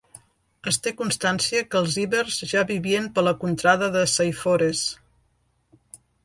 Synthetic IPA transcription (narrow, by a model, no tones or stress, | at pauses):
əst̪ekunst̪ansiəkəlˠziβərzʒaβiβiənpələkunt̪ɾaðəðəsajfoɾes